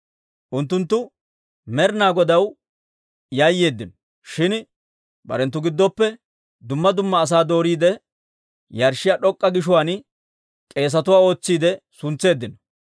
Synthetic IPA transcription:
ʔʊnt̪̬ːʊnt̪ːʊ | mɛɾnaːɡɔd̪ɐw | jɐjːe̞ːd̪ːɪnɔ | ʃɪn | bɐ̰ɾɛnt̪ːʊɡɪd̪ːɔpːɛ | d̪ʊmːɐd̪ʊmːɐːs̬aːd̪o̞ːɾiːd̪ɛ | jɐɾʃːɪjaɗɔkʼːɐɡɪʃʊwaːn | kʼe̞ːs̬ɐt̪ʊwaːo̞ːt͡sːiːd̪ɛsʊnt͡sːe̞ːd̪ːɪnɔ

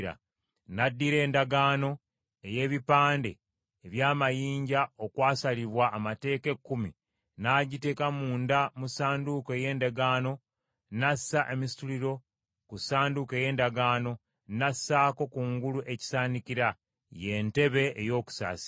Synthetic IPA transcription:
ɾa̰ | nadːiɾe̞ːndaɡaːno̞ | e̞je̞ːβipaːnde̞̰ː | βjaːmajiːɲɟao̞kwaːsaliβwaʔːmate̞ːke̞kːumi | naːɟite̞kamuːndamusaːndukoe̞je̞ːndaɡaːno̞ | nasːaʔe̞misi̥tuliɾo̞ | kusaːnduke̞je̞ːndaɡaːno̞ | nasːaːko̞kuːŋɡuluʔe̞ci̥saːnikiɾa | je̞ːnte̞βe̞ːjo̞ːku̥sa̰ːsi̥

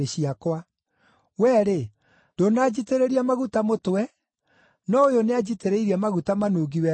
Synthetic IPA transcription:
eɕiakwa | wɛːɾe | d̥onaːd͡ʑiteɾeɾiamaɣutamotwɛ | nɔojonead͡ʑiteɾeiɾiamaɣutamanoːɡiwɛ

